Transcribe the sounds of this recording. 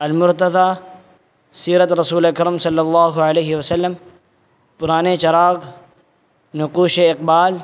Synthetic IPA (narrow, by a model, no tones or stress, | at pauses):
ɐlmʊɾt̪ɐðaː | siːɾət̪ɾɐsuːleɐkɐɾəmsɐlːɐlˤːaːɦʊɐleːɦɪwɐsɐlːəm | pʊɾaːnet͡ʃɐɾaːɣ | nʊquːʃeɪqbaːl